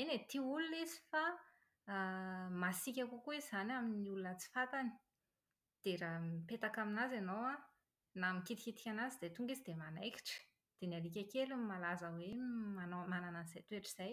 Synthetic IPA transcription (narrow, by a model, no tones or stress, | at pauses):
enet̪iulunesi̥fa | masikʲakukuezanaminiulunət͡si̥fat̪ani̥ | d̪̥eɾaipet̪akaminazanowa | namikit̪i̥kʲit̪i̥kʲanazid̪̥et̪uŋɡizid̪emanajkʲi̥ʈ͡ʂə̥ | d̪̥enaɾik̬ʲakelumalazəwemanomanananiz̥ajt̪ueʈ͡ʂiz̥aj